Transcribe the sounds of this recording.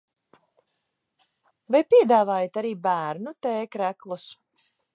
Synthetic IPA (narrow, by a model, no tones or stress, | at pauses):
vajpʲiɛd̪aːvaːjat̪aɾiːbæːɾnut̪ɛːkɾæklˠus